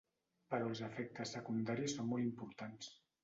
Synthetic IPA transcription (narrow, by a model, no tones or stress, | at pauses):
pəɾɔlˠzəfɛk̚t̪əsːəkund̪aɾisonmɔlˠimpuɾt̪ans